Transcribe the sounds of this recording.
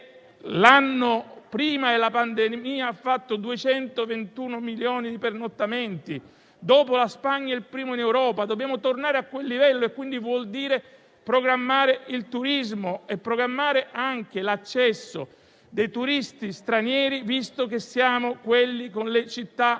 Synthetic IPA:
lanːopɾiːmaelapand̪emiːaːfːat̪ːod̪uet͡ʃɛnt̪ovent̪uːnomiljɔːnid̪ipernot̪ːament̪i | d̪ɔːpolaspaɲːailpɾiːmoinɛwɾɔːpad̪objaːmot̪ornaːɾeakːwelːivɛlːoekːwind̪ivwɔld̪iːɾe | pɾoɡɾamːaːɾeilt̪uɾizmoepːɾoɡɾamːaːɾeʔaŋk̟elat͡ʃːɛsːo̰ | d̪ejt̪uɾist̪ist̪ɾanjɛːɾivist̪okesːjaːmokwelːikonlet͡ʃit̪ːa

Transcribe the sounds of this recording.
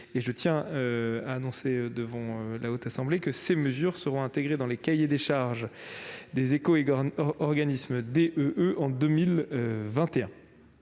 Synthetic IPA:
eʒət̪jɛ̃øaːnɔ̃seød̪əvɑ̃ølaot̪asɑ̃blekəseməzyʁsəʁɔ̃ɛ̃t̪eɡʁed̪ɑ̃lekajed̪eʃaʁʒd̪ezekoː | ʁɡanismd̪eʔøʔøʔɑ̃d̪əmilvɛ̃t̪eɛ̃

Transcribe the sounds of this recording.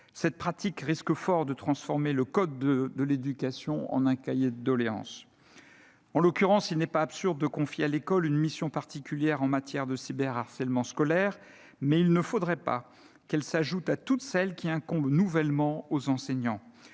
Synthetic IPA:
sɛt̪̚pχat̪ikʁiskəfɔʁd̪ət̪χɑ̃sfɔʁmeləkɔd̪ːd̪əled̪ykasjɔ̃ɑ̰̃nɛ̃kajed̪d̪ɔleɑ̰̃s | ɑ̃lɔkʲyʁɑ̃silnɛpaːpsyʁd̪d̪əkɔ̃fjealekɔlynmisjɔ̃paʁt̪ikʲyljɛʁɑ̃mat̪jɛʁd̪əsibɛʁaʁsɛlmɑ̃skɔlɛʁ | mɛilnəfod̪ʁɛpa̰ | kɛlsaʒut̪at̪ut̪sɛlkʲiɛ̃kɔ̃blnuvɛlmɑ̃ozɑ̃sɛɲɑ̃

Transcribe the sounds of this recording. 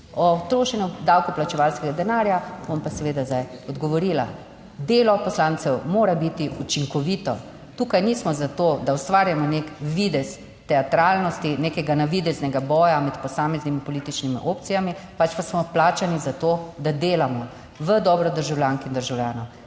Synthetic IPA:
ɔt̪ɾoːʃɛnud̪awkuplat͡ʃɛʋalskɛɡad̪ɛnaːɾjabompasɛʋeːd̪azd̪ajɔd̪ɡɔʋɔɾiːla̰ | d̪eːlɔpɔslaːnsɛwmoːɾabit̪iut͡ʃiŋkɔʋiːt̪ɔ | t̪uːkajniːsmɔzat̪od̪awst̪ʋaːɾjamɔnekʋid̪ɛsː | ɛat̪ɾaːlnɔst̪inekɛɡanaʋid̪ɛznɛɡabɔːjamɛt̪pɔsaːmɛznimipɔliːt̪it͡ʃnimḭʔoːp̚t̪sijamipat͡ʃpasmɔplaːt͡ʃanizat̪oːd̪ad̪eːlamɔ | ʋəd̪ɔːbɾɔd̪əɾʒawlʲjaŋkind̪əɾʒawljaːnɔw

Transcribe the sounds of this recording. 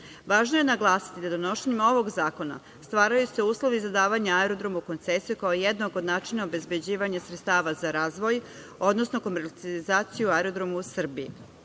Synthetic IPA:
ʋaːʒnoje̞naɡlˠaːsi̥t̪id̪ad̪ono̞ʃeɲemo̞ʋo̞ɡzaːko̞na̰ | st̪ʋaːɾajuse̞uːslˠo̞ʋizad̪aːʋaɲaaeɾo̞d̪ɾo̞muko̞nt̪sesijukaojed̪noɡod̪naːt͡ʃinaobe̞zbe̞d͡ʑiːʋaɲasɾet̪st̪aːʋazaɾaːzʋo̞j | o̞d̪no̞sno̞ko̞meɾt̪sializaːt̪sijuaeɾo̞d̪ɾo̞musr̩biː

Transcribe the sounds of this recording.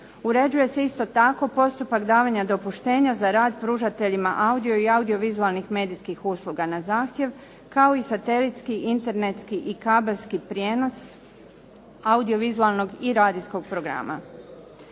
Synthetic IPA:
uɾe̞d͡ʑuje̞se̞ist̪o̞t̪ako̞po̞st̪upakd̪aːʋaɲad̪o̞puʃt̪e̞ːɲazaɾaːd̪̚pɾuʒat̪e̞ʎimaʔaud̪ijo̞iaud̪io̞ʋizualˠnixme̞ːd̪iskixuslˠuɡanazaːxt̪je̞ʋ | kao̞isat̪e̞lit̪skiʔint̪e̞ɾnet̪skiʔikabelskipɾjeno̞s | aud̪io̞ʋizualˠno̞ɡiɾaːd̪isko̞ɡ̚pɾo̞ɡɾa̰ma̰

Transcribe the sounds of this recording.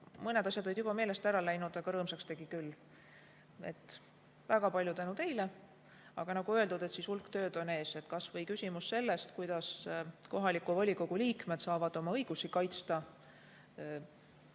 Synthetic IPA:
mɤne̞d̪̥ɑsʲjɑd̪o̞lid̪jubɑme̞ːle̞st̪æɾɑlæjnud̪ɑɡ̥ɑɾɤːmsɑkst̪e̞ɡ̥ikylː | ḛt̪ːˑ | væɡ̥ɑpɑlʲjut̪ænut̪e̞jle | ɑ̰ɡ̥ɑnɑɡuøe̞ld̪ud̪̥e̞t̪sisulkt̪ø̞ːd̪̥o̞ne̞ːse̞t̪kɑsvɤjkysʲimusːe̞lːe̞st̪kujd̪̥ɑsko̞ɦɑlikːˑuvɑlʲiko̞ɡ̥uliːkmet̪sɑːvɑd̪̥o̞mɑɤjɡ̥usikɑjt̪st̪ɑ

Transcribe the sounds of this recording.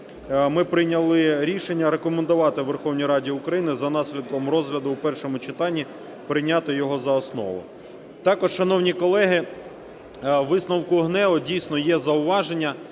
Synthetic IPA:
mɪpɾɪjnʲɐlˠɪɾʲiʃenʲːɐɾekɔmend̪ʊʋɑt̪ɪʋerxɔwnʲijɾɑdʲiʊkɾɐjinɪzɐnɑsʲlʲid̪̚kɔmɾɔzɦlʲɐd̪ʊwpɛrʃɔmʊt͡ʃɪt̪ɑnʲːi | pɾɪjnʲɑt̪ɪjɔɦɔzɐɔsnɔ̰ʋʊ̰ | t̪ɑkɔʃʃɐnɔwnʲikɔlˠɛɦɪ | ʋɪsnɔwkʊɦnɛʋɔdʲijsʲnɔjɛzɐʊʋɑʒenʲːɐ

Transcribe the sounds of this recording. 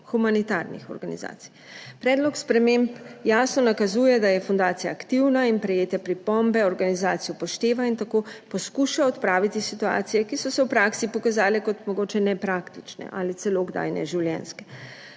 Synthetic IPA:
xumanit̪aɾnḭxɔ̰ɾɡanḭza̰ːt̪i̥j | pɾɛːd̪lɔkspɾɛmempjaːsnɔnakazuːjɛd̪ajɛfɔnd̪aːt̪sijaːkt̪iwnainpɾɛjeːt̪ɛpɾipɔmbɛɔɾɡanizaːt̪sijɔpɔʃt̪eːʋaint̪akoːpɔskuʃaɔt̪pɾaːʋit̪isit̪ua̰ːt̪sijɛkisɔsɛwpɾaːksipɔkazaːlɛkɔt̪mɔɡoːt͡ʃɛnɛpɾakt̪it͡ʃnɛ̰ʔalit̪ɛloɡd̪a̰ːjnɛ̰ʒiwljɛ̰nskɛ̥

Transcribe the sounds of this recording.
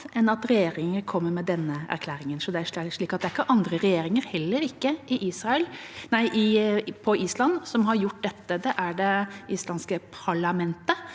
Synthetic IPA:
ɛnːɑt̪ɾɛjeːɾɪŋəɾkʰɔmːəɾmɛd̪ɛnːəæ̰ɾkʰlæːɾɪŋənsɔd̪ɛæɾʂɭiːkɑt̪d̪ɛæɾɪkːəʔɑnd̪ɾəɾɛjeːɾɪŋəɾhɛlːəɾɪkːəʔɪʔiːsɾɑɛlnæɪʔɪpʰɔiːslɑnːsɔmɦɑɾjʊʈ̚ːd̪ɛt̪ːəd̪ɛʔæɖɛʔiːslɑnskəpʰɑɭɑmɛnt̪ə

